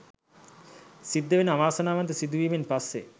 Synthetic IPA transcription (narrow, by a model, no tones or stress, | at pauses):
sid̪ːeʋenaʋaːsanaːʋant̪esid̪uʋiːmenpasːḛ